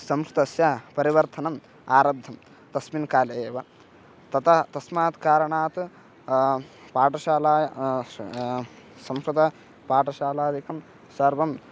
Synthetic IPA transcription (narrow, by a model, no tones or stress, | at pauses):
sɐmʃɾɨt̪ɐsjapɐɾiʋɐɾt̪ʰɐnɐm | aːɾɐb̚d̪ʱɐm | t̪ɐsminkaːlɐeːʋɐ | t̪ɐt̪ɐt̪ɐsmaːt̪kaːɾɐɳaːt̪ɨ | paːʈɐʃaːlaː | sɐmʃɾut̪ɐ | paːʈɐʃaːlaːd̪ikɐm | sɐɾʋɐm